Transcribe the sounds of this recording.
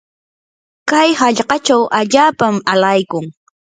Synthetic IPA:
kajhaʎɢɑt͡ʃawʔaʎaːpamalajkʊŋ

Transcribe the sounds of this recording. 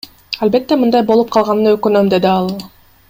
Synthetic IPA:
albe̞t̪ːe̞mɯnd̪ɑjbo̞lˠup̚qʰɑlˠʁɑnɯnøkønømd̪e̞d̪iɑlˠ

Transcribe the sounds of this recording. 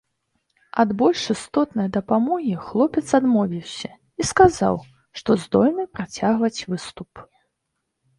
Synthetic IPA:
ɐd̪bɔlʲʂɨst̪ɔt̪nɐjd̪ɐpamɔɣʲixlˠɔpʲɛt̪sad̪mɔvʲiwsʲɐ | iskaza̰w | ʂt̪ɔzd̪ɔlʲnɨpɾat͡sʲaɣvɐt͡sʲvɨst̪up

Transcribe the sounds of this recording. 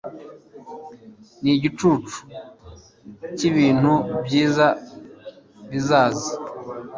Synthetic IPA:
niɟit͡ʃut͡ʃu̥ | ciβiːn̥hubjiːza | βizaːzi

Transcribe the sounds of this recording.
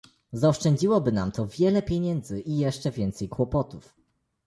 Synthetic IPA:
zaɔʂt͡ʂɛɲd͡ʑiwɔbɘna̰mt̪ɔvʲjɛlɛpʲjeɲɛnd̪zɘʔijɛʂt͡ʂɛvʲjɛnt̪sɛjkwɔpɔt̪uf

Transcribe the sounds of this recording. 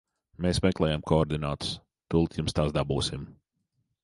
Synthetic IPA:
meːsmɛklˠɛːjamkɔɔɾd̪inaːt̪u̥s | t̪ulˠt̪jumst̪aːsd̪abuːsim

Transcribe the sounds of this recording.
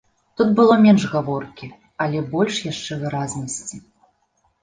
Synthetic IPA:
t̪ut̪̚bɨlˠɔmʲɛnʂɣavɔrkʲi | ɐlʲɛbɔlʲʂjaʂt͡ʂɛvɨɾaznɐsʲt͡sʲi

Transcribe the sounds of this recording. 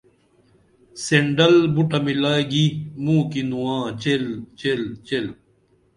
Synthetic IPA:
seɳɖɐlbuʈɐmilaːeɡimũːkinuwãːt͡ɕelt͡ɕelt͡ɕel

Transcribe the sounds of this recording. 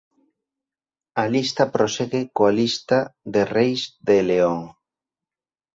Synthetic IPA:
ɐlist̪ɐpɾoseɣekoalist̪aðerejzðeleoŋ

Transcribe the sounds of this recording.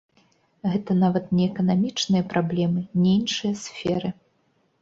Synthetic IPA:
ɣɛt̪ɐnavɐt̪nʲɛɛkɐnamʲit͡ʂnɨjɐpɾʔablʲɛmɨnʲɛinʂɨjɐsfʲɛɾɨ

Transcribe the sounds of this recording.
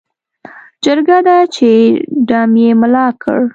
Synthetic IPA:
d͡ʒəɾɡad̪at͡ʃeɖɑmjemʊlɑkʰə̰ɽ

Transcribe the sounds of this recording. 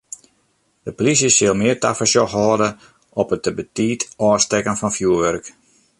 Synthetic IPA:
d̥əpolisjəsɪlˠmɪərta̰fəsjɔxhɔːdə | ɔpət̚əbətiːtɔːstɛkənfɔnfjuəʋœrk

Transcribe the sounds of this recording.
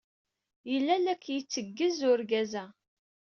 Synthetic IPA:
jəlːælækʰːjət͡sːəɡːəzʊɾɡæzæ

